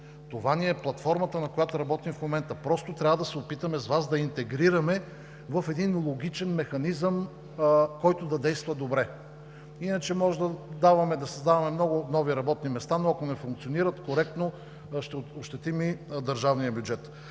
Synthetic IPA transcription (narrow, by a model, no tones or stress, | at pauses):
t̪ovaniɛplˠɐt̪fɔɾmət̪ənɐkojat̪oɾɐbɔt̪imfmomɛnt̪əpɾɔst̪ot̪ɾʲavəd̪ɐsɛopit̪əmɛzvazd̪ɐint̪ɛɡɾiɾɐmɛ | vɐfɛd̪inlˠoɡ̟it͡ʃɛnmɛxɐnizəm | kɔjt̪od̪ɐd̪ɛjst̪vɐd̪obɾɛ | inət͡ʃɛmɔʒɛd̪ɐd̪avɐmɛd̪ɐsɐzd̪avɐmɛmnɔɡʊnɔviɾɐbɔt̪nimɛst̪anoɐkonɛfuŋk̚t̪sioniɾɐt̪koɾɛk̚t̪no | ʃt̪ɛoʃt̪ɛt̪imid̪ɐɾʒavnijəbjud͡ʒɛt̪